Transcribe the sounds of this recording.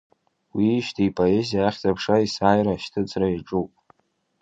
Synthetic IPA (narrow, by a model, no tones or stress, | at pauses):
wiʃtʰipʼoe̞zijaaχʲt͡sʼapʰʂaisaːjɾaʃtʰɨt͡sʼraiʈ͡ʂʼupʼ